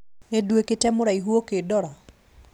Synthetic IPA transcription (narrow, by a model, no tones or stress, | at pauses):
nedweketɛmʊɾaiɦuokedɔɾɔ